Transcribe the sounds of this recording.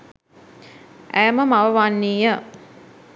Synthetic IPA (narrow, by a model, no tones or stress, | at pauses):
æjəməmaʋəʋanːiːjə